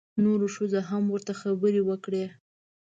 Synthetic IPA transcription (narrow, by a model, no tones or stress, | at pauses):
noɾoʃəzaɦamwəɾt̪axabəɾewəkɽe